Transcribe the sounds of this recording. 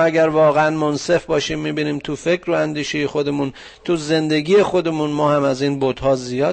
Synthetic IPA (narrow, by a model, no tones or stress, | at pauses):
æɡæɾvɒːɣeænmonse̞fbɒːʃiːmːiːbiːniːmt̪ʰufe̞kʰɾoænd̪iːʃejexo̞d̪e̞muːn | t̪ʰuze̞nd̪e̞ɡiːje̞xo̞d̪e̞munmɒːhæmæziːnbod̪̥hɒːzijɒː